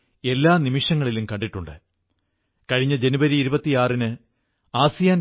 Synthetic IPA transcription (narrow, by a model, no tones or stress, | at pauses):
e̞lːaːnimiʂɐŋːɐɭilumkɐɳɖiʈːuɳɖɨ | kɐɻiɲːɐd͡ʑe̞nubɐɾiːɾubɐt̪ːijaːrinɨ | aːsijaːn